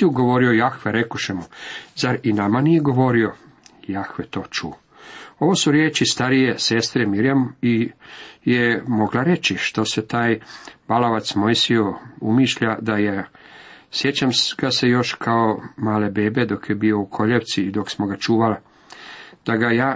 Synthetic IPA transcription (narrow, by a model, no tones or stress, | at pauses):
iuɡo̞ʋo̞ɾiojaxʋeɾekoʃemuzaɾinamanijeɡo̞ʋo̞ɾio̞ | jaxʋet̪o̞ːt͡ʃṵː | o̞ʋo̞suɾjeːt͡ʃist̪aɾije̞se̞st̪ɾemiɾjami | jemo̞ɡlaɾe̞t͡ɕiʃt̪o̞se̞t̪aːjb̥aloʋat̪smo̞jsio̞umiʃʎad̪aje | sje̞t͡ɕamɡ̥ase̞jo̞ʃkʰaomaːle̞be̞ːbed̪o̞kjebio̞ukʰo̞ʎeʋt̪siːd̪o̞ksmo̞ɡat͡ʃuːʋali | d̪̥aɡajaː